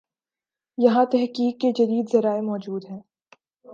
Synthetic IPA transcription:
jɐɦãt̪ɛɦkiːkːed͡ʒɐd̪iːd̪zɐɾaːemɔːd͡ʒuːd̪ɦɛː

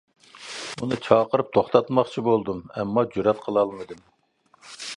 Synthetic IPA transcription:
unɨt͡ʃʰɑːqəɾɨp̚t̪ʰoχt̪ɑt̪mɑχt͡ʃʰibolˠd̪umɛmːɑd͡ʒuɾɑt̪qʰəlˠɑlˠmɨd̪ɨm

